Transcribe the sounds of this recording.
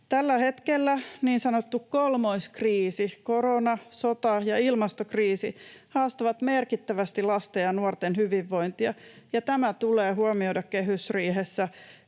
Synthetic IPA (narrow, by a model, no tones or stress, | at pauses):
t̪ælːæhe̞t̪kelːæniːnsɑnot̪ːukkolmo̞jskriːsiko̞ɾonɑsot̪ɑjɑilmɑst̪okriːsihɑːst̪ɑʋɑt̪me̞rkit̪ːæʋæst̪ilɑst̪eɑnuort̪enhyʋiʋːo̞jnt̪iɑjɑt̪æmæt̪uleːɦuomio̞jdɑkkeɦysriːɦesːæ